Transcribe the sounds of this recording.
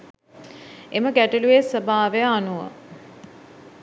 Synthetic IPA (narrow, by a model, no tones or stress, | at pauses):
eməɡæʈuluesəbaːʋejəanuʋə̰